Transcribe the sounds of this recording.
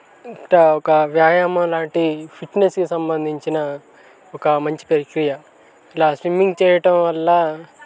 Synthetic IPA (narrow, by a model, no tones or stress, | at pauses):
iʈaɔkɐʋjaːjamɐlaːɳʈipʰiʈneskisɐmbɐnd̪ʱiɲt͡ʃinɐ | ɔkɐmɐɲt͡ʃi̥pɐɾikɾijɐ | ilaːsʋimːiŋɡt͡ʃɛːjɐʈɐmʋɐlːɐ